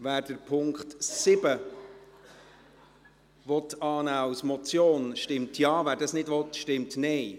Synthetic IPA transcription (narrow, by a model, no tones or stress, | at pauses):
væːɾd̥əɾpʰʊŋkχtsɪbə | ʋɔtɑːnæːɑwsmɔt͡sjoːnʃtɪmtʰjɑːvæːɾdɑsnɪdʋɔt̪ʃtɪmtnɛj